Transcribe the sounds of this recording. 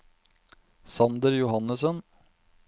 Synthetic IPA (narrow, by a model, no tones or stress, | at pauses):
sɑnd̪əɾjʊhɑnəsən